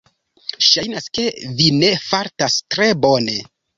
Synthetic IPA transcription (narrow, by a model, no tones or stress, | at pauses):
ʃajnaske̞vine̞faɾtastɾe̞bo̞ne̞